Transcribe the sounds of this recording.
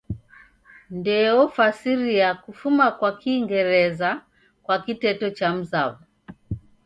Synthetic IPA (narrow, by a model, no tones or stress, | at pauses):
ndɛɔfasiɾiakufumakwakiːŋɡɛɾɛza | kwakitɛtɔt͡ʃam̩zavu